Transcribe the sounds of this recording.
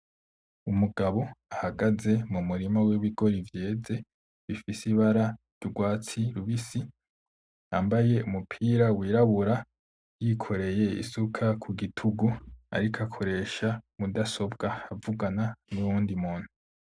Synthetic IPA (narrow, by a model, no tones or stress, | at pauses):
umuɡaβo̞ahaɡaze̞mumuɾimawiβiɡo̞ɾivje̞ːd͡ze̞ | βifisiβaɾaɾjuɡwaːt͡siɾuβisi | a̰mbaje̞umupʰiːɾawiːɾaβuɾa | jikʰo̞ɾe̞je̞ḭsukʰakʰuɡitʰuɡua̰ɾikʰakʰo̞ɾe̞ʃamudaso̞bɡaavuɡananuɾuːndimuːn̥hu